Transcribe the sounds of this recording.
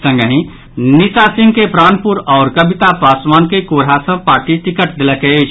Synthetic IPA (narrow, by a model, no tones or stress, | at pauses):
sə̃ŋɡəɦĩ | nɪsasɪ̃ŋɡkepɾaːnpʊɾɔːɾkəbʱɪt̪apaːsmaːnkekoːɾɦasə̃paːɾʈit̪ɪkəʈd̪ɪləkeet͡ʃʰ